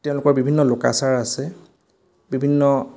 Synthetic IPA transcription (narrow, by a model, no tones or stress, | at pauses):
tɛʊ̃lʊkɔɹbibʱinːɔloka̰saɹasɛ | bibʱinːɔ